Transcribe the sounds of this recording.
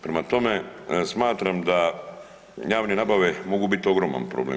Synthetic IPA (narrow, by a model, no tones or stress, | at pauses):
pɾemat̪o̞mesmaːt̪ɾamd̪a | jaːʋnenabaʋemo̞ɡubit̪io̞ɡɾoma̰npɾo̰blḛ